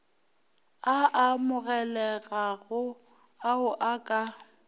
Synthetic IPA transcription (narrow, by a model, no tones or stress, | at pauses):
aʔamʊɣɛlɛɣaɣʊ | aʊʔakʼa